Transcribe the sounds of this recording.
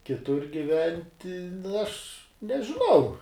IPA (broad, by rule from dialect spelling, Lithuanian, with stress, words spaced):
kʲɪˈtʊr ɡʲɪˈʋʲɛnʲtʲɪ nʊ ɐʃ nʲɛʒʲɪˈnɐʊ